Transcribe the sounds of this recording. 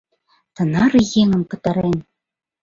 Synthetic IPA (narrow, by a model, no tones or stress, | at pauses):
t̪ɤ̆nɑɾɤjeŋə̆mkɤ̆t̪ɑɾen